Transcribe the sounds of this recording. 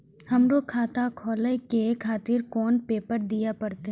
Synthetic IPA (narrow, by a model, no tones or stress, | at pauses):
hɐmɾoːkʰaːt̪akʰɔːləjkekʰaːt̪ɪɾkɔːnpeːpəɾd̪ijapɐɾt̪eɦ